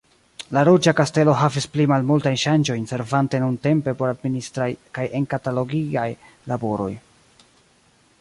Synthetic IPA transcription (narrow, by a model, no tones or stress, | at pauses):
laɾud͡ʒakaste̞lo̞ɦavisplimalmultajnʃand͡ʒo̞jnse̞ɾvante̞nunte̞mpe̞po̞ɾadministɾajkajʔenkatalo̞ɡiaj | labo̞ɾo̞̰j